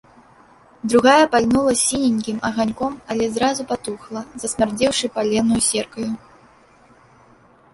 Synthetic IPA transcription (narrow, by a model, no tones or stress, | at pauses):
d̪ɾuɣajɐpalʲnulˠɐsʲinʲinʲkʲimɐɣanʲkɔmɐlʲɛzɾazupat̪uxlˠɐzɐsʲmʲard͡zʲɛwʂɨpalʲɛnujusʲɛrkɐju